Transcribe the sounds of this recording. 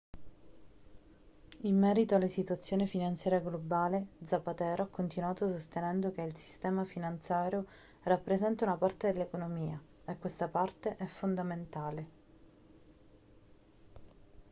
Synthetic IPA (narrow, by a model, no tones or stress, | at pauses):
imːɛːɾit̪oalːesit̪uat̪sːjoːnefinant̪sjaːɾjaɡlobaːled̪zapːat̪ɛːɾoakːont̪inuaːt̪osost̪enɛnd̪okeilsi̥st̪ɛːmafinant̪sjaːɾjo | rapːɾezɛnt̪aunapart̪ed̪elːekonomiːa | ekːwest̪apart̪eʔɛfːond̪ament̪aːle